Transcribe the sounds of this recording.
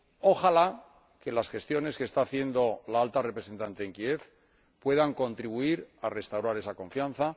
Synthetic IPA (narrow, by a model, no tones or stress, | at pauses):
o̞xala | ke̞lasxe̞st̪jo̞ne̞skest̪aːθje̞nd̪o̞laalt̪arepɾe̞se̞nt̪ant̪e̞ːŋkie̞f | pwe̞ðaŋko̞nt̪ɾiβ̞uiɾare̞st̪awɾaɾesakõ̞ɱfjanθa